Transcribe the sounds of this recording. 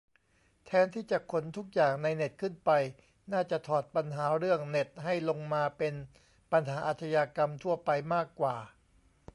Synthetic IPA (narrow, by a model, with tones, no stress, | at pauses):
t̪ʰɛː˨˦˥nt̪ʰiː˥˩t͡ɕa˨˩ʔkʰo˨˩˦nt̪ʰu˦˥k̚jaː˨˩ŋna˧jne˨˩t̪̚kʰɯ˥˩npa˧j | naː˥˩t͡ɕa˨˩t̪ʰɔː˨˩t̪̚pa˧nɦaː˩˦ɾɯ˥˩əŋne˨˩t̪̚ɦa˥˩jlo˧ŋmaː˧pe˧n | pa˧nɦaː˩˦ʔaː˨˩t̪ʰa˧jaː˧ka˧mt̪ʰu˥˩əpa˧jmaː˥˩kːwaː˨˩